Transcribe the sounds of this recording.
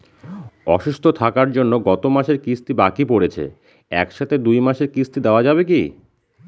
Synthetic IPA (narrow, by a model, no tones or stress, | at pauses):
ɔ̰ʃust̪ʰot̪ʰakaɾd͡ʑonːoɡɔt̪omaʃeɾkist̪ibakipoɽet͡ɕʰḛ | ɛ̰kʃat̪ʰed̪ujmaʃeɾkist̪id̪eoad͡ʑabek̬i